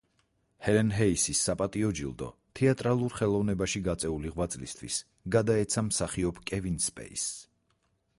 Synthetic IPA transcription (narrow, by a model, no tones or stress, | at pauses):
hɛlɛnɦɛisisːapʼat̪ʼiɔd͡ʒḭlˠd̪ɔ̰t̪ʰɛat̪ʼɾalˠuɾχɛlˠɔvnɛbaʃiɡat̪sʼɛuliʁwat̪sʼlist̪ʰwḭs | ɡad̪aɛt̪sʰamsaχiɔpʰkʼɛvinspʼɛ̰is